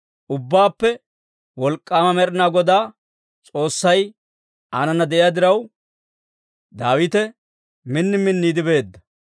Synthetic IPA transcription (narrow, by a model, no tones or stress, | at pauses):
ʔʊbːaːpːɛ | wɔlkʼːaːmɐmɛɾɪnaːɡɔd̪aː | t͡sʼo̞ːsːɐj | anɐnːɐd̪ɛʔɪjaːd̪ɪɾɐw | d̪aːwɪt̪ɛ | mɪnːɪmɪnːiːd̪ɪbe̞ːd̪ːɐ